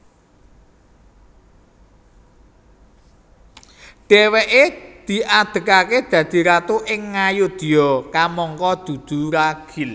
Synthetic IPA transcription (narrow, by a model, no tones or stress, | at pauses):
ɖ̥eweʔed̪̥i̤ʔad̪̥ə̤kaked̪̥ä̤d̪̥i̤ɾat̪oʔɪŋːajʊd̪̥i̤jɔkamɔŋkɔd̪̥ṳd̪̥ṳɾaɡ̥il